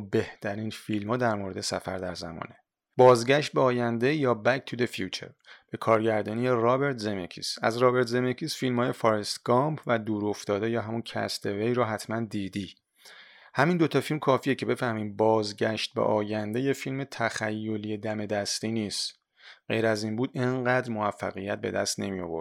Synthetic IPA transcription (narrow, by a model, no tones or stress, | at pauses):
be̞ht̪ʰæɾiːnfilmhɒːd̪æɾmoːɾe̞d̪e̞sæ̰fæ̰ɾd̪æ̰ɾzæ̰mɒ̰ːne | bɒːzɟæʃt̪̚beɒːjænd̪e̞jɒːbæk̚t̪ʰud̪efjuːt͡ʃʰḛɾb̥e̞kʰɒːɾɟæɾd̪ɒːnijerɒːbe̞ɾt̪ʰzemecʰḭːsæ̰zɾɒːbe̞ɾt̪ʰzemecʰiːsfilmhɒːjefɒːɾest̪ɡ̥ɒmpʰvæd̪uːɾo̞ft̪ɒːd̪ejɒːɦæmuncʰæ̰st̪ʰevejɾɔːɦæt̪ʰmænd̪iːd̪iː | hæmind̪o̞t̪ʰɒːfilmkʰɒːfijecʰe̞be̞fæhmiːm̚bɒːzɟæʃt̪̚bḛʔɒːjænd̪e̞jefilme̞t̪ʰæxæjːo̞liːed̪æme̞d̪æst̪iːniːst̪ | ɢ̥ḛjɾæziːnbuːd̪eŋɢæːd̪ɾmovæfːæ̰ɣijæt̪̚be̞̰d̪æ̰st̪ne̞mijo̞̰vo̞̰ɾd̪